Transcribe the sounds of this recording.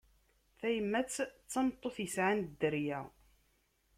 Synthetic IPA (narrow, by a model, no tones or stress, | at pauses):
θæjəmːæt͡sːt͡sːɑmt̪ˤːoθjəsʕand̪əɾjæ